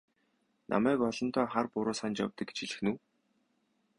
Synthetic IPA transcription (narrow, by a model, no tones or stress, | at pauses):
nʔa̰mæːkɔɮɞ̆nt̪ʰɔːχarpʊɾʊːsant͡ɕja̰wt̪ə̆kːe̥t͡ɕiɮɘ̆xnuː